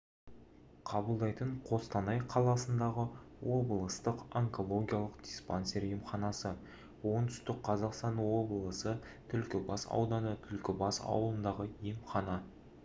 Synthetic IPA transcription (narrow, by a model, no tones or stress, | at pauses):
qʰɑbəlˠd̪ɑjt̪əɴqʰo̞st̪ɑnɑjqʰɑlˠɑsənd̪ɑʁəwo̞bəlˠəst̪əqoŋko̞lˠo̞ɡʲijɑlˠəqd̪̥ʲispanseɾjemχɑnɑsə | wo̞nt̪ʰʏ̥st̪ɪk̚qʰɑzɑqst̪ɑnwo̞blˠəsə | t̪ʰʏlkʲɪbɑsɑ̰wd̪ɑnət̪ʰʏlkʲɪbɑsɑ̰wlˠənd̪ɑʁəjemχɑnɑ